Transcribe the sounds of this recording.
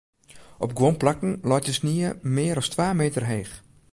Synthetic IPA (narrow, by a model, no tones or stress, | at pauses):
ʔɔp̚ɡwonplakn̩lɔtəsniəmɪːəɾɔstʋaːmeːtərɦeːx